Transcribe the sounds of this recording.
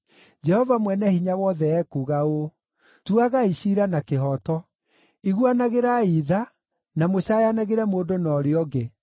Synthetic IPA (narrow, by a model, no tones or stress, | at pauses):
d͡ʒɛhɔvamwɛnɛhiɲawɔðɛɛkuɣao | tuaɣaiɕiɾanakeɦɔtɔ | iɣwanaɣeɾaiða | namoɕajanaɣeɾɛmoːdonɔːɾeɔɡe